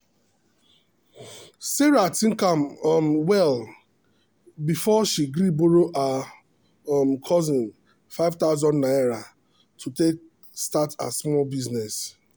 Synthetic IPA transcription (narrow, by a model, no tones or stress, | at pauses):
seɾatĩŋ̩kammwɛl | bifɔʃiɡɾiboɾoʔa | mkʰɔzɪ̃ŋ | faɪvtaʊzɔ̃ndnaeɾa | tʰutek̚ | stata̰smɔlbiznɛs